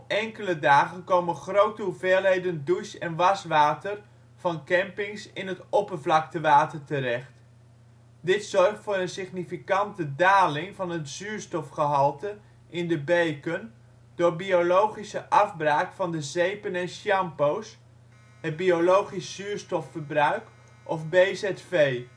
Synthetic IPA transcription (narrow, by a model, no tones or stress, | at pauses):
ɛŋkələdaːχənkowmənχrowtəɦuveːlˠɦejdəndujsɛnʋɑsʋaːtər | v̥ɑnkɛmpɪŋsɪnɦətɔpərvlɑk̚təʋaːtərtərɛχt | dɪtsɔrχtfʊːɾənsɪχnifikɑntədaːlɪŋvɑnɦətsyːɹstɔfχəɦɑlˠtə | ʔɪndəbejkən | dʊːɹbiolowχisəʔɑvbraːkfɑndəzejpənɛnʃjɑmpows | ɦəd̚biolowχisːyːɹstɔfəɹbrœɥk | ʔɔfbezɛtfej